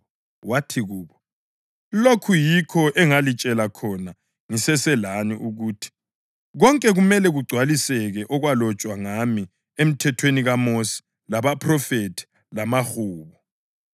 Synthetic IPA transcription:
watʰiɣuːβɔ | lokʰujikʰɔʔɛŋalit͡ʃʼɛlakʰɔna | ŋisɛsɛlaniʔuɣuːtʰi̥ | ɣɔŋkʼɛɣumɛlɛɣuɡ͡ǀʱwalisɛɣɛʔɔɣwalɔt͡ʃʼwaŋami | em̩tʰɛtʰweniɣamosi̥ | laβapʰʼrɔfetʰi̥ | lamaxuːβɔ

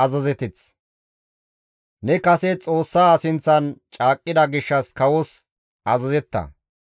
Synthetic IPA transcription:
ɐzɐzɛt̪ɪt͡s | nɛkɐsɛt͡sʼo̞ːsːaːsɪnt͡sːɐnt͡ʃʼaːkʼːɪd̪ɐɡɪʃːɐskɐwɔs | ɐzɐzɛt̪ːɐ̰

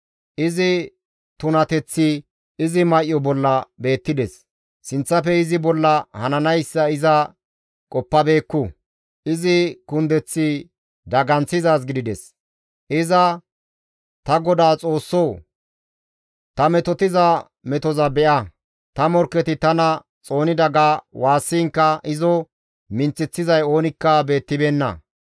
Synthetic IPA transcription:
ʔɪzɪ | t̪ʊnɐt̪ɛt͡sːɪ | ɪzɪmɐʔjɔbɔlːɐbe̞ːt̪ːɪd̪ɛsː | ɪnt͡sːɐfɛɪzɪbɔlːɐhɐnɐnɐjsːɐɪzɐ | kʼɔpːɐbe̞ːkːʊ | ʔɪzɪkʊnd̪ɛt͡sːɪ | d̪ɐɡɐnt͡sːɪzaːs̬ɡɪd̪ɪd̪ɛs | ʔɪzɐ | t̪ɐɡɔd̪aːt͡sʼo̞ːsːow | t̪ɐmɛt̪ɔt̪ɪzɐ | mɛt̪ɔzɐbɛʔɐ | t̪ɐmɔɾkːɛt̪ɪt̪ɐnɐ | t͡sʼo̞ːnɪd̪ɐɡawaːsːiːŋkːɐʔɪzɔ | mɪnt͡sːɪt͡sːɪzɐjo̞ːnɪkːɐbe̞ːt̪ːɪbeːnːɐ̰

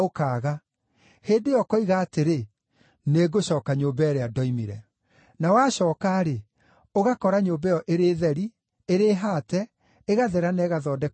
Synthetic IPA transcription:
okaːɣa | heːdejɔkɔiɣaːteɾe | neɡoɕɔːkaɲombɛɛɾeadɔimiɾɛ | nawaːɕɔːkaːɾe | oɣakɔɾaɲobɛjɔʔeɾeːðɛɾi | eɾeːɦaːtɛ | eɣaðɛɾanɛːɣaðɔːdɛ

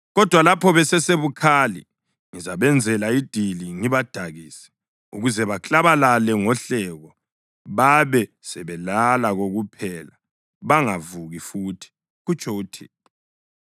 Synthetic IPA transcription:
ɣɔd̥ʱwalapʰɔβɛsɛseβukʰalḭ | ŋizaβɛnd͡zʱɛlaid̥ʱiliŋiβad̥ʱaɣiːsɛ̥ | ṵɣuzɛβat͡ɬʼaβalalɛŋɔɬɛɣɔ | βaβɛ | sɛβɛlalaɣoɣupʰɛla | βaŋavuɣifutʰi̥ | ɣut͡ʃʰʼɔutʰɛːtʰɔ

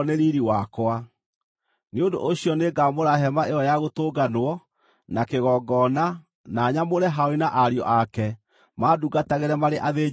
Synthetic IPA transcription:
neɾiɾiwakoa | neondo̰ʔoɕiɔneɡamoɾaɦɛmaʔeɔjaɣotoɡanwɔ | nakeɣɔːɡɔːna | naɲamoɾɛɦaoinaʔaɾjɔ̰ʔakɛ | maːduɡataɣeɾɛmaɾeʔaðeː

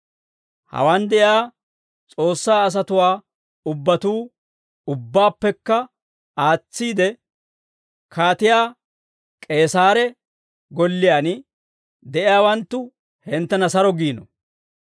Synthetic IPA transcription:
hɐ̰wand̪ɛʔɪjaː | t͡sʼo̞ːsːaːs̬ɐt̪ʊwaː | ʊbːɐt̪uː | ʊbːaːpːɛkːɐ | aːt͡sːiːd̪ɛ | kʰaːt̪ɪjaː | kʼe̞ːsaːɾɛ | ɡɔlːɪjaːn | d̪ɛʔɪjaːwɐnt̪ːʊ | hɛnt̪ːɛnɐsɐɾɔɡiːnɔ̰

